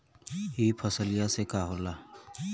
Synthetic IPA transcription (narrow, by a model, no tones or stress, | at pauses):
ɦiːpʰəsəlɪjasekaːɦoɾlaː